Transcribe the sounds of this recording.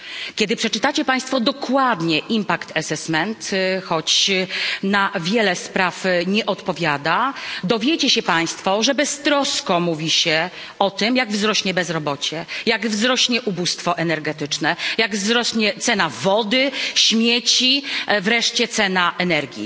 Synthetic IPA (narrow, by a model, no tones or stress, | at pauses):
kʲɛd̪ɘpʂɛt͡ʂɘt̪at͡ɕɛpaj̃st̪fɔd̪ɔkwad̪ɲɛʔimpakt̪ɛsɛsmɛnt̪xɔt͡ɕ | navʲjɛlɛspɾafɲɛʔɔt̪pɔvʲjad̪ad̪ɔvʲjet͡ɕɛɕɛpaj̃st̪fɔʐɛbɛst̪ɾɔskɔmuvʲiɕɛ | ɔt̪ɘmjaɡvzɾɔɕɲɛbɛzɾɔbɔt͡ɕɛjaɡvzɾɔɕɲɛʔubust̪fɔʔɛnɛɾɡɛt̪ɘt͡ʂnɛjaɡvzɾɔɕɲɛt̪sɛnavɔd̪ɘɕmʲjɛt͡ɕivɾɛʂt͡ɕɛt̪sɛnaʔɛnɛɾɡʲḭ